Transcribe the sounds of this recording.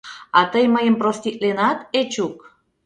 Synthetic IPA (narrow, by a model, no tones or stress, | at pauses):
ɑt̪əjməjəmprost̪it̪̚lenɑt̪et͡ɕuk